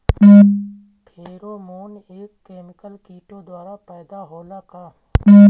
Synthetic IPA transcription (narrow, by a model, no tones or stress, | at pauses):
pʰeːɾomoːn | eːkːeːmɪkəlkiːʈod̪waːɾapɛːd̪aɦoːlakaː